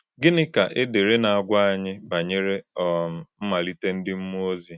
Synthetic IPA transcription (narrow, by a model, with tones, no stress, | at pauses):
ɡɪ˦nɪ˦ka˨ʔɪ˦de˨ɾe˦na˨a˨ɡʷa˦a˦˨ɲɪ˦ba˨ɲe˦ɾe˦ɔ˨m̩˨m̩˦ma˨li˦te˦n̩˦dɪ˦m̩˦m˦o˦zi˨